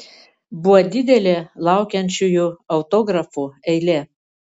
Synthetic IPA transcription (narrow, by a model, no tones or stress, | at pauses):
bʊʋɐd̪ʲɪd̪ʲɛlʲelˠɑˑʊkʲɛnʲt͡ʃʲujuɐʊt̪oːɡɾɐfuɛɪlʲe